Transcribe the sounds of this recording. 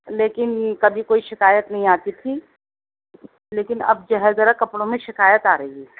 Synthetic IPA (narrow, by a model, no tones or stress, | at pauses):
leːkɪnkɐbʱikoːiʃɪkaːjət̪nɐɦĩaːt̪it̪ʰi | leːkɪnɐ̰b̚d͡ʒɐɦɛzɐɾakɐpɽõmẽʃɪkaːjət̪aːɾəiɡiː